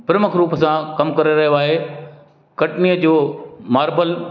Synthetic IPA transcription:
pɪɾməkɾuːpəsãkɐmkɐɾeɾɐɦijoaːɦe | kɐʈniəd͡ʑoːmaːɾbəl

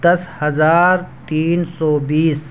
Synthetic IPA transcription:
d̪ɐshɐzaːɾt̪iːnsɔːbiːs

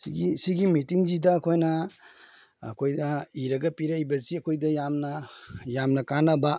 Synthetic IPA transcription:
siɡisiɡimitiŋzidɐːkʰojnɐ | kʰojdɐiɾɐɡɐpiɾajbɐziɐkʰojdɐjamnɐjamnɐkanɐba

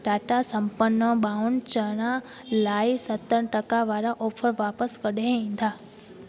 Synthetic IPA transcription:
ɖaːʈasə̃mpənːəɓaːʊnt͡ɕəna | laːisət̪ːəɳʈəkaʋaːɾaʔoːpʰəɾʋaːpəskəɗeĩːn̆d̪ʱaː

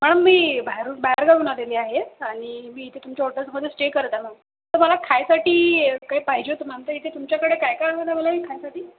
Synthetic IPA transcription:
m̤əɽ̃əmmiːbaɦɾubaɦɾɡaɽunad̪eliːaɦeaɽ̃imiːit̪ʰet̪umt͡ɕaoʈət͡sməd̪ʱːesʈekəɾt̪am̤əɡ | t̪əɾməlakʰajsaʈiːkaɦiːpaɦid͡ʑot̪əm̤aɳt̪əit̪ʰet̪umt͡ɕjakəɽekajkaaəd̪aməlamiːkʰajsaʈiː

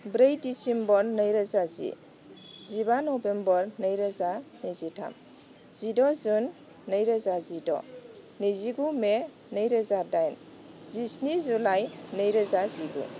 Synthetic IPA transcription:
bɾejdisimbɔɾnəjɾəzazḭ | zibanɔbembɔɾnəjɾəzanizitʰa̰m | z̥idɔzunː | əjɾəzazidɔ̰ | niziɡume | nəjɾəzadajn | zisnizulajnəjɾəzaziɡṵ

